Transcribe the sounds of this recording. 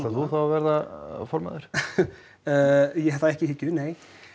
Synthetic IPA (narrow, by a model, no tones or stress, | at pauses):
aθuθawavɛɾðafɔɾma̰ðʏɾ̥ | jɛɛθaɛhcɪhɪcːʏneːj